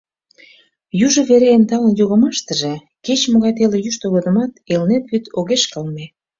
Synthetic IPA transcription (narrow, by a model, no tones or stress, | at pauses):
juʒə̆βeɾeːnt̪ɑlənjoɣəmɑʃt̪ə̆ʒe | ket͡ɕmoɣɑjt̪elejyʃt̪oɣod̪ə̆mɑt̪elnet̪βyt̪oɣeʃkɑlme